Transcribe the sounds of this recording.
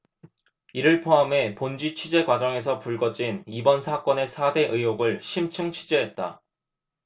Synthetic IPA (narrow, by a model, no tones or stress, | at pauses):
iɾɯɭpʰoame̞pond͡ʑit͡ɕʰɥid͡ʑe̞ɡwad͡ʑʌŋe̞s̬ʰʌpuɭɡʌd͡ʑinibʌnsʰak͈ʌne̞sʰade̞ʔɯjoɡɯɭɕʰimt͡ɕʰɯŋt͡ɕʰid͡ʑe̞ɦet̚t͈a̰